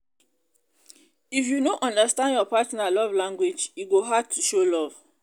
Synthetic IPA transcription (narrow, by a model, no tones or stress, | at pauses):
ifjunoʔɔ̃ndəstãndjɔpatnalɔvlãŋɡwed͡ʒiɡoɦad̚tʰuʃolɔv̥